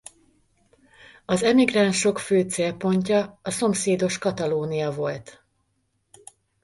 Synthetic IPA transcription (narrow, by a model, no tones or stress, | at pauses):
ɒzɛmiɡranʃo̞kføːt̪seːlpo̞ɲcɒːso̞mseːd̪o̞ʃkɒt̪ɒloːnijɒvo̞lt̪